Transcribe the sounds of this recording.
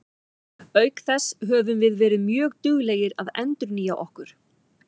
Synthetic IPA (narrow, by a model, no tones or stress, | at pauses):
œːɥkθɛsɦœːvʏmvɪðvɛːɾɪðmjœːɣt̪ʏɣleːjɪɾaðɛ̰nt̪ʏɾniːjaʔɔ̰hkʏɾ̥